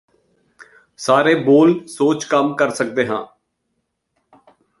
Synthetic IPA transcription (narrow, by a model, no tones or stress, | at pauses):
saːɾeːboːlsoːt͡ʃkəmkəɾsək̚d̪eːɦã̰ː